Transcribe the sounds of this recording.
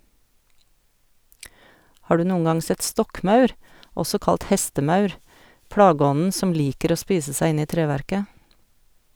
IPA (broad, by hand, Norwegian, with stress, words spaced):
ˈhɑː ˈɖʉː ˈnuːə ˈŋɑŋ ˈsɛt ˈstɔkˌmɑʉɾ ˈɔsɔ ˈkɑlt ˈhɛstəˌmɑʉɾ ˈplɑːˌɡɔnn̩ ˈsɔm ˈliːkəɾ ˈoː ˈspiːsə ˈsæɪ ˈɪn ˈiː ˈtɾeːʋæɾkə